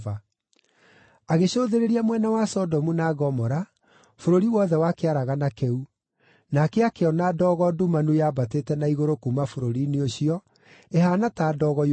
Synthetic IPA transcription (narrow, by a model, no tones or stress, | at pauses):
va | aɣeɕoːðeɾeɾiamwɛnawasɔdɔmunaɣɔmɔɾa | foɾoɾiwɔðɛwakeaɾaɣanakɛu | nakeakeɔnadɔːɣɔdumanujaːbatetɛnaiɣoɾokumafoɾoɾineoɕiɔ | eɦaːnataːdɔːɣɔ